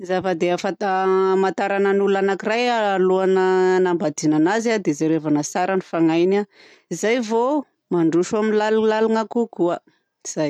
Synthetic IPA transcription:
izafad̪eafat̪amant̪aɾananuluanakirajaaluanənambad̪inanazad̪ezaɾevanəsaɾanifaŋajna | izajvo | maɳɖ͡ʐuʃaminlalulaluŋakukua | iz̥aj

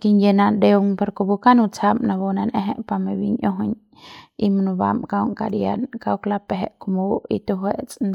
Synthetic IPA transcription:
kinjenand̪ewŋpaɾkobukanut͡samnabonanʔeɦḛʔpamebiɲʔoɦoɲ | imnuba̰mkawŋkaɾjankawklapeɦeʔkomoit̪uɦweʔt͡sʼn

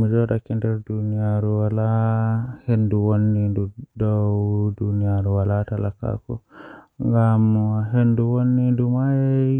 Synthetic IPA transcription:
mid͡ʒɔɗakɛndɛɾdunijaɾuwala | henduwonːidudɔwdunijaɾuwalatalaka̰kɔ̰ŋɡamɦenduwonːidumajɛ

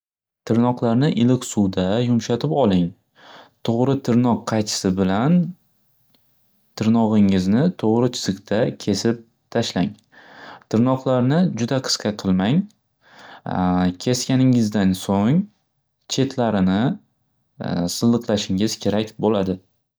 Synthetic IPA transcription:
t̪ʰɪɾnɒqlˠaɾnɪʔɪlɪkʲsuwd̪ajʊmʃat̪ʰɪpɒlˠɪŋ | t̪ʰoʁɾɪt̪ʰɪɾnɒqʰːɑjt̪ʰɪ̥sɪbɪlan | t̪ʰɪɾnɒʁɪŋɪznɪt̪ʰoʁɾɪt͡ʃʰɪ̥z̥ɨqt̪ʰakʲʰe̞sɪp̚ | t̪ʰaʃlaŋ | t̪ʰɪɾnɒqlˠaɾnɪd͡ʒʊd̪aqʰɨ̥sqʰɑqʰɨlˠmaŋ | kʲʰe̞skʲanɪŋɪzd̪ansoŋ | t͡ʃʰe̞t̪ʰlaɾɪnɪ | sɨlˠːɨqlaʃɪŋɪz̥kʲʰe̞ɾakʲbolad̪ɪ

